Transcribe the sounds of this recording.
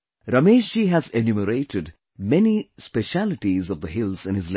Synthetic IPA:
ɾʌmeːʃiɦæzenjuməɾeɪʈʰɪd | mɛnispɛʃælɪʈizɔʋd̪əɦɪlz̥ɪ̃nɪzl

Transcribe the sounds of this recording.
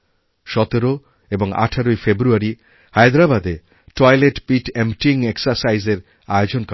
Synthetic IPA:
ʃɔt̪eɾo | eboŋa̰ʈʰaɾojfebɾuaɾi | hajd̪ɾabad̪e | ʈɔjleʈpiʈemʈiŋeksaɾsajzeɾ | aeod͡ʑonk

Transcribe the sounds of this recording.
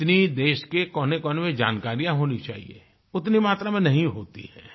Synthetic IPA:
t̪nid̪eːʃkekɔːnekɔːnmẽd͡ʒaːnkaːɾijãɦoːnit͡ʃa̰ːɦḭḛ | ʊt̪nimaːt̪ɾamẽnɐɦĩɦoːt̪ḭhɛ̰ː

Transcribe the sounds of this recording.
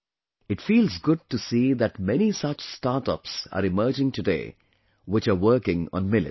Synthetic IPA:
ɪʈfiːlzɡʊɖ̚ʈusiːðæʈmɛnisʌt͡ʃstaːɾʈə̰psa̰ːɾɪməːd͡ʒɪ̃ŋʈɨdḛː | wɪt͡ʃəːʋəɾkɪ̃ŋɔ̰̃nmɪlɪ̰

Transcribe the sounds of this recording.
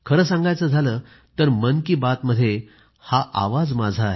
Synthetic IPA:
kʰəɾəːsãŋɡajt͡səːd͡zʱaləː | t̪əɾmənkiːbat̪məd̪ʱːje | haʔa̰ʋad͡zmad͡zʱaɦe

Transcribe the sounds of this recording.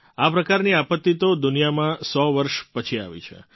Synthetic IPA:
apɾəkaɾniapət̪ːit̪od̪unijamãsɔʋəɾʃpət͡ʃʰia̰ʋḭt͡ʃʰḛ

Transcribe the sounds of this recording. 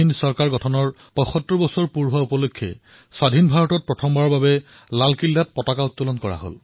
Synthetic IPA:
insɔɹkaɹɡɔtʰɔnɔɹ | pɔjxɔtːɹɔbɔsɔɹpuɹɦaupɔlokʰːɛ̰ | swadʱinbʱaɹɔtɔt̚pɹɔtʰɔmbaɹɔɹbabɛ | lalkilːat̚pɔtakaʊtːulɔnkɔɹa̰ɦo̰l

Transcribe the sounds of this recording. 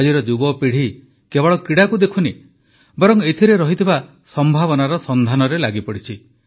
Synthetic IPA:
d͡ʒiɾɔd͡ʒuɡɔpiɽ̤i | kebɔɭɔkɾiɽakud̪ekʰuni | bɔɾɔŋet̪ʰiɾeɾɔɦit̪ʰiba | sɔmbʱaβɔnaɾɔsɔnd̪ʱanɔɾelaɡipɔɽit͡ʃʰi

